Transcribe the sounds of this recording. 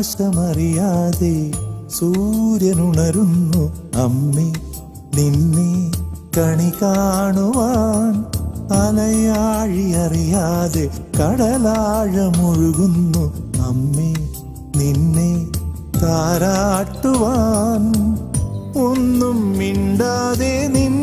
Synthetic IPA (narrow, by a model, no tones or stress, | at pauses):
ʂɐmɐɾijaːd̪esuːɾjɐnuɳɐɾunːuɐmːe | ninːekɐɳikaːɳuʋanɐlɐjaːɻiɐɾijaːd̪ekɐɽɐlaːɻɐmuɻuɡunːuɐmːeː | ninːeː | t̪aːɾaːʈːuʋaːn | onːumːiɳɖaːd̪enin